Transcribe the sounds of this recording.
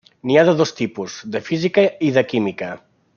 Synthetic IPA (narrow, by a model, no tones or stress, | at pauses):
niaðəðost̪ipuzðəfizikəiðəkimikə